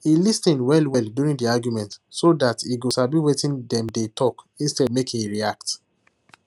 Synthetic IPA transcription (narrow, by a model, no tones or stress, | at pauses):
ilistĩnwɛlwɛldjuɹĩndiaɡjumɛ̃ntsodatiɡosabĩwetĩndɛ̃mdetʰɔk | ĩnstɛdmekĩŋiɹiak̚t